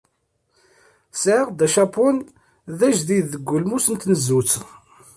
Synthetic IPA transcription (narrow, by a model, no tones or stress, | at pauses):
sʕəʁd̪æʃapun | ðæʒðiðːəɡʷːʊlmusənt̪nəzːut͡sː